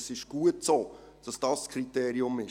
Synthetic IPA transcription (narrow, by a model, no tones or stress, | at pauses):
sɪʃɡ̥uətsoːd̥ɑsd̥ɑːsːkʰriteːɾiʊmɪ